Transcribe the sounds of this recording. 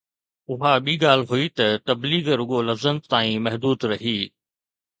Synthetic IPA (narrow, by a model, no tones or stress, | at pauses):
ʊɦaɓiːɠaːl̤ɦʊit̪ɐt̪ɐbliːɡɾʊɠolɐfzənt̪aːĩmɐɦd̪uːd̪ɾɐɦiː